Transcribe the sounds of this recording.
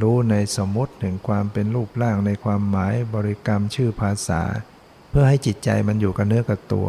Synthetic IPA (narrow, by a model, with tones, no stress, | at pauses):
ɾuː˦˥na˧jso˩˦mːu˦˥t̪̚t̪ʰɯ˩˦ŋkʰwaː˧mpe˧nɾuː˥˩p̚laː˥˩ŋna˧jkʰwaː˧mːaː˩˦jbɔː˧ɾi˦˧˥ka˧mt͡ɕʰɯː˥˩pʰaː˧sa̰ː˩˦ | pʰɯ˥˩ɐha˥˩jt͡ɕi˨˩t̪̚t͡ɕa̰˧jma˧njuː˨˩ka˧˩nɯ˦˥ɐka˧˩t̪ṵ˧˩ɐ